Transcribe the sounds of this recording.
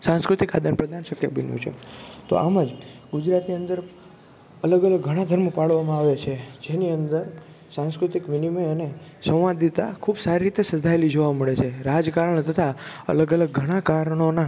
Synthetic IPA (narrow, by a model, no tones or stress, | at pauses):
sãnskɾʊt̪ikad̪ənpɾəd̪ʱanʃəkjəbənjṵ̃t͡ʃʰḛt̪o̰ʔa̰məd͡ʒɡud͡ʒɾat̪niənd̪əɾ | ələɡələɡːʱəɽ̃ad̪ʱəɾmopaɭʋamãaʋet͡ʃʰed͡ʒeniənd̪əɾ | sãnskɾut̪ikʋiniməənesə̃ʋad̪it̪akʰubsaɾiɾit̪esəd͡ʒʱaelid͡ʒoʋaməɭet͡ʃʰeɾad͡ʒkaɾəɳ̃t̪ʰət̪ʰaə̰ləɡələɡːʱəɽ̃akaɾəɽ̃ona